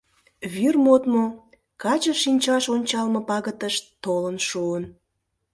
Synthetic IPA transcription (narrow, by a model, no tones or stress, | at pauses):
βyrmot̪mo | kɑt͡ɕəʃinʲt͡ɕɑʃonʲt͡ɕɑlmə̆pɑɣət̪əʃt̪olənʃuən